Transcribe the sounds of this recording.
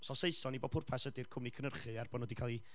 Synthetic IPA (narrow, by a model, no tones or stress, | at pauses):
sɔseɨsɔnibɔ̥pʰʊrpʰasədɨrkʰʊmnikʰənərχɨarbɔːdnoːdikʰaːlˠi